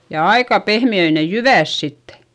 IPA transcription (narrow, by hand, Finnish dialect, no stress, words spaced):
jɑ ɑikɑ pehmiøi ne jyʋæˑs sitːe̥